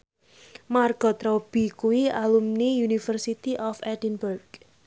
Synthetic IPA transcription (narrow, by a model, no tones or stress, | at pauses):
marɡ̥ɔ̤t̪ɾɔb̥i̤kuwialumnijunifərsit̪iʔɔfɛdinburɡ̥